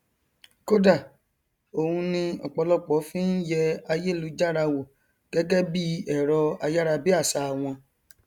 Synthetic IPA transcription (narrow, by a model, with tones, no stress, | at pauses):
ko˦da˦˨ | o˨hũ˧nĩ˧ɔ˨k͡pɔ˧lɔ˦k͡pɔ˨˦fĩ˦n̩˦jɛ˧a˧je˦lu˨˦d͡ʒa˦ɾa˧wo˨ | ɡ̥ɛ˦ɡɛ˦bi˦ɛ˦˨ɾɔ˧a˧ja˦ɾa˧bi˦a˦˨sa˧˨w̃ɔ̃˧